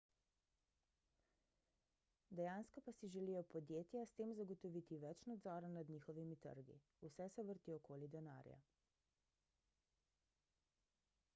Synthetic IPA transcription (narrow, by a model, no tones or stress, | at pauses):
d̪ɛjanskɔpasiʒɛlijɔpɔd̪jeːt̪jast̪eːmzaɡɔt̪ɔʋit̪iʋɛt͡ʃnad̪zɔɾanad̪ɲixɔʋimit̪ə̰ɾɡḭ | usɛsɛʋəɾt̪iɔkoːlid̪ɛna̰ɾja̰